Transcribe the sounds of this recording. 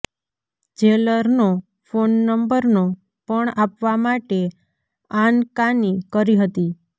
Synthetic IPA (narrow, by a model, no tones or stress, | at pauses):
d͡ʒeləɾno | fonːəmbəɾno | pəɳapʋamaʈe | ankanikəɾiɦət̪i